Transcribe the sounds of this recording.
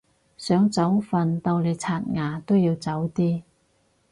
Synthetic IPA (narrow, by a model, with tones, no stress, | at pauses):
sœː˨˥ŋt͡sɐ˨˥wfɐ˨nt̪ɐ˧wle˨˧jt͡sʰaː˧˩t̚ŋaː˨˩t̪o˥wjiː˧wt͡sɐ˨˥wt̪iː˥